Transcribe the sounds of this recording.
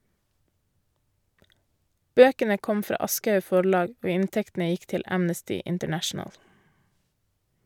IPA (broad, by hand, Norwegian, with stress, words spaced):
ˈbøːkənə ˈkɔm ˈfɾɑː ˈɑskɑʉ ˈfɔɭɑːɡ ˈoː ˈɪntɛktn̩ə ˈjɪk ˈtɪl ˈæmnəstɪ ɪntəˈɳæʃɳəl